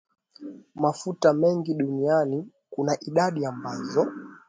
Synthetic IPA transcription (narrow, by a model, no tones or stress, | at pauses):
mafutamɛŋɡiɗuniani | kunaʔiɗaɗiambazɔ